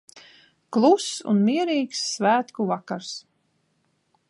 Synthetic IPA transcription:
klˠusṵnmiɛɾiːksːvæːt̪kuvakaɾs

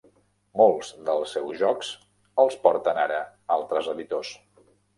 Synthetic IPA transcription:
molˠz̥d̪əlˠsɛwzʒɔks | əlˠspɔɾt̪ənaɾə | alˠt̪ɾəzəðit̪os

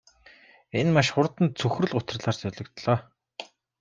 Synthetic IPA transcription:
enmaʃχʊrt̪ə̆nt͡sʰɵxrɵ̆ɮʊt̪ə̆rɮaːrsœɮʲɞ̆kt̪ɮɔː

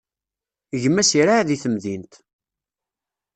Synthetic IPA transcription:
ʝəmːæsiɾaʕðiθəmðint̪

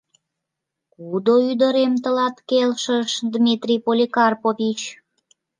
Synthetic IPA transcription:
kud̪oyd̪əɾemt̪əlɑt̪kelʃəʃd̪mʲit̪rʲipolʲikɑrpovit͡ɕ

